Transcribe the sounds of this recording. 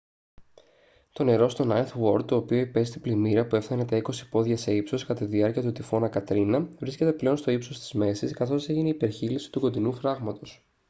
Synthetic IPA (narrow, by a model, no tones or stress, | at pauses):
t̪o̞ne̞ɾo̞st̪o̞nɐjθwo̞ɾd̪̚t̪o̞ːpio̞ipe̞st̪iplimiɾɐpue̞fθɐnet̪ɐiko̞si̥po̞ðʝɐse̞ipso̞skɐt̪at̪iðiɐɾciɐt̪ut̪ifo̞nɐkɐt̪ɾinɐvɾisce̞t̪eple̞o̞nst̪o̞ipso̞st̪i̥zme̞siskɐθo̞se̞ʝineipe̞ɾçilisi̥t̪uko̞d̪inufɾɐɣmɐt̪o̞s